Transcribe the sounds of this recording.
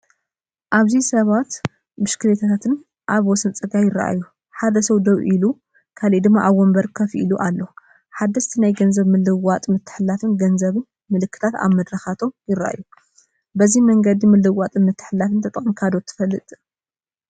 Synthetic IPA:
ʔaβzisɐβat̪ | mɨʃkʰɨlet̪ʰat̪ʰat̪ʰɨn | ʔaβwɔsɨnt͡sʼɨɡajɪɾa̰ʔa̰jːu | ħad̪ɐsɐwd̪ɐwʔilu | kʰalid̪ɨmːaʔaβwɔmbɐɾkʰɐfʔiluʔalːo | ħad̪ːɐst̪ʰinajɡɐnzɐβmɨlːɨwat̪ʼmɨt̪ʰːɨ̥ħɨlːafɨnɡɐnzɐβɨn | mɨlɨkːɨ̥t̪ʰat̪a̰βmɐd̪ɾɐxat̪ʰo̞jɪɾa̰ʔa̰ju | bɐzimɐŋɡɐd̪imɨlɨwat̪ʼɨnmɨt̪ʰːɨ̥ħɨlːafɨnt̪ʰɐt̪ʼɐnkʰad̪o̞t̪ʰɨ̥fɐlːɨt̪ʼ

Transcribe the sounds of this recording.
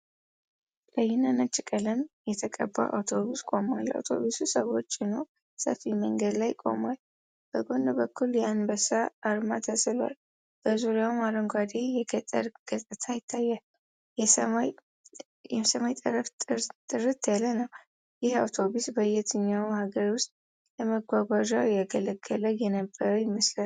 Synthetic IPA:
ləjɪnanət͡ʃʼːɪkʼələmjɛt̪ʰəkʼəbːa̰ʔa̰wt̪ʰo̞βuskʼo̞mala̰wt̪ʰo̞̰βususəwo̞t͡ʃːɪnow | sə̰fiməŋɡəd̪lajkʼo̞̰mal | b̥əɡo̞nd̪bəkːuljɛanbəsaːɾmat̪ʰəsɨlwa̰l | b̥əzuɾjawmaɾəŋɡʷad̪ejɛɡət̪ʼːə̰ɾɡ̥ət̪ʼɨt̪ʰajɪt̪ʰːajːal | jɛmaj | ɛsəmajt̪ʼəɾəft̪ʼt̪ʼɨɾɨt̪ʰjalːənəw | jɪhawt̪ʰo̞busbəjɛt̪ʰɨɲːawhaɡəɾwʊst̪ʼ | ləməɡʷaɡʷaʒawjaɡələɡːələwjɛnəbːəɾəwjɪmːɨslal

